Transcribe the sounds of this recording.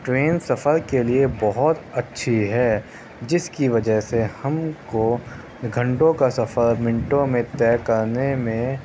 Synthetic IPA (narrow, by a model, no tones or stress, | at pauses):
ʈɾeːnsɐfəɾkeliebɔɦʊt̪ɐtːʃʰiɦɛː | d͡ʒɪskiʋɐd͡ʒəɦsehɐmko | ɡʱɐ̃ɳʈõkasɐfəɾmɪ̃ɳʈõmẽt̪ɛːkɐɾnemẽ